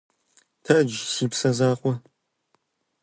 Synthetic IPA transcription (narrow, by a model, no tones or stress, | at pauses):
tʰɐd͡ʒsiːpsɐzaːχʷɔ